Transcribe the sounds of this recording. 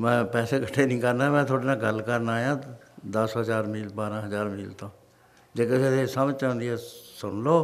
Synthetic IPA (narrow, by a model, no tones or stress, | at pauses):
mɛ̃ːpɛːseːkəʈʰːeːnĩːkəɾnaːmɛ̃ːt̪ʰoːɽeːnaːɡəlːkəɾnaːjãːd̪əsɦəzaːɾmiːlbaːɾãːɦəzaːɾmiːlt̪õː | d͡ʒeːkeset̪eːsəmət͡ʃãːʊ̃nd̪iːɛːsʊɳloː